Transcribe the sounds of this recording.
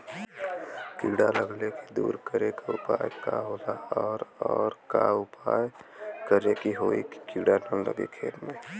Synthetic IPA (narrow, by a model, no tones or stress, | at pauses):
kiɽaləɡlekid̪ṵːɾkəɾekaupajkaɦolaɔɾɔːɾka̰ʊpajkəɾekiɦoikkiɖanələ̰ɡḛkʰeːlme